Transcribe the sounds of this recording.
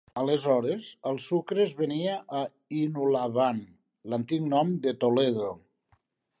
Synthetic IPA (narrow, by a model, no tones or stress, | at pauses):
əlezɔɾezəlˠsukɾezβəniaʔː | inulaβan | lənt̪iknɔmd̪ət̪oleðo